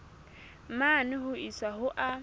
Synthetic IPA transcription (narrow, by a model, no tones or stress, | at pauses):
manɪɦʊisaɦʊʔa